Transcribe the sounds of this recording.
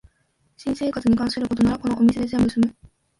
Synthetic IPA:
ɕĩse̞ːkat͡sɨɲ̟ikãɰ̃sɨɾɯko̞t̪onaɾako̞no̞ʔomʲise̞d̪e̞ze̞mbɯ̟sɨmɯ̟

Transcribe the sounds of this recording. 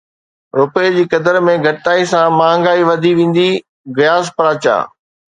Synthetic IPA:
ɾʊpejd͡ʑiːkɐd̪əɾmẽɡʱɐʈt̪aːisãmãːŋ̆ɡaːiʋɐd̪ʱiʋẽːn̆d̪i | ɣɪjaːzpɐɾaːt͡ɕa̰ː

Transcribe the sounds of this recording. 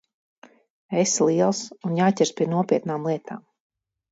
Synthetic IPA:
eslˠiɛlˠsunjaːcʲɛɾspʲiɛnuɔpʲiɛt̪naːmlˠiɛt̪ʰa̰ːm

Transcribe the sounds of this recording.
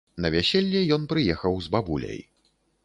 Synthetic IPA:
nɐvʲasʲelʲːɛjɔnpɾɨjɛxɐwzbabulʲɐ̰j

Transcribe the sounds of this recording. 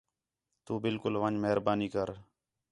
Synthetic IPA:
t̪uːbɪlkʊlʋəɲd͡ʒməɦəɾbaːniːkəɾ

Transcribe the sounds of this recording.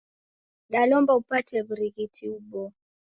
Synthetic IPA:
dalɔmbaupatɛbɾiɣitiubɔ

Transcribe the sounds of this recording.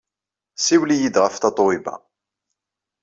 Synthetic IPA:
siwlijid̪ʁəft̪ɑt̪ˤoibæ̰

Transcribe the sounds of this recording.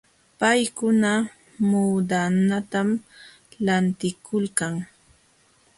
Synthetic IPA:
pajkʊna | muːd̪anat̪am | lant̪ɪkʰʊlkaŋ

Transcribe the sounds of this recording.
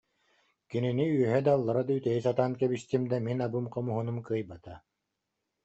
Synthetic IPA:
kininiyœɦɛd̪alˠːaɾad̪ayt̪ɛjisat̪aːnkɛbist̪imd̪aminabɯmqɔmuɦunumkɯjbat̪a

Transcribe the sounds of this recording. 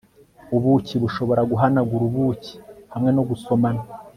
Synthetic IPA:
uβuciβuʃo̞βo̞ɾaɡuɦanaɡuɾuβuːci̥hamŋe̞noɡuso̞mana

